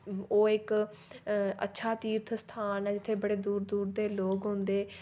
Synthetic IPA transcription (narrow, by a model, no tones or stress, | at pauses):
oːɪk | ə̰tːʃʰaːt̪iːɾt̪ʰst̪ʰaːnɛd͡ʒɪt̪ʰːeːbəɽeːd̪uːɾd̪uːɾd̪eːloːɡɦʊ̃nd̪eː